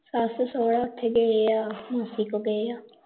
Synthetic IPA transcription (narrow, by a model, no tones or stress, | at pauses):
sassoːɽaːʊt̪ʰːeːɡeeaːmasikoɡəeaː